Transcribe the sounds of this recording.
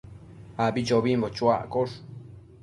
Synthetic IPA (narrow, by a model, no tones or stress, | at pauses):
abit͡ʃoβimbot͡ʃwaʔkoʂ